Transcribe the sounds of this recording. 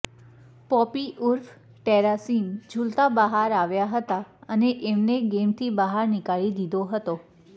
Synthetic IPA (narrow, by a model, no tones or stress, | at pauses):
pɔpiʔuɾf | ʈeɾasimd͡ʒʱult̪abəɦaɾaʋjaɦət̪aəneʔemneɡemt̪ʰibəɦaɾnikaɭid̪id̪oɦət̪o